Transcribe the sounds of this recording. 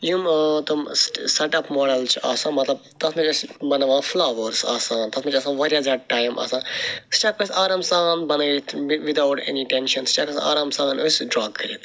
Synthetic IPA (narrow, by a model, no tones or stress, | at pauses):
jumt̪umsʈsɐʈɐpmoːɽɐlt͡ʃʰuʔaːsãːmɐt̪lɐb̚t̪ɐsmɐt͡ʃɐsbɐnɐʋãːflaːʋɐɾsaːsãːnt̪ɐsmɐt͡ʃɐːsãːʋɐɾʲazaʈaːjmʔa̰ːsãːnst͡ʃak̚pɐsaːɾaːmsãːnbɐnɐt̪ʰʋid̪awʈḛniʈenʃɐnst͡ʃaːkɐsa̰ːɾaːmsãːɡɐnosʲɖɾaːkːɐɾi